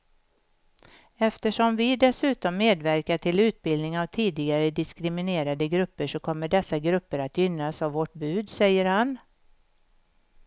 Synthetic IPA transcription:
ɛft̪əʂɔmvɪd̪ɛsʉ̟ːt̪ɔmːeːd̪væɾkaʈʰɪlʉ̟ːt̪̚bɪld̪nɪŋavt̪ʰiːd̪ɪɡaɾəd̪ɪskɾɪmɪneːɾad̪əɡɾɵpːəʂɔkʰɔmːəɖɛsːaɡɾɵpːəɾat̪jʏnːasavːɔʈ̚bʉ̟ːd̪sɛjːəɾhan

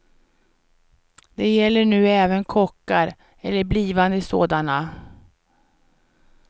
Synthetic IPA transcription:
d̪̥ɛjɛlːəɳʉ̟ːɛːvənkʰɔkːaɾ | ɛlːəɾbliːvand̪əɪso̰ːd̪ana

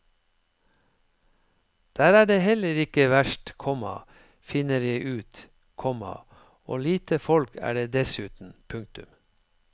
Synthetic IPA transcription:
d̪̥æːɾæːɖeːhɛləɾɪkəʋæʃʈkʰɔmɑ̰ | fɪnəɾjæɪʔʉːt̪ | kʰɔmɑ̰ | oːliːt̪ʰəfɔlkʰæ̰ːɖeːd̪ɛsʉːt̪n̩pʰʉŋk̚t̪ʉ̰m

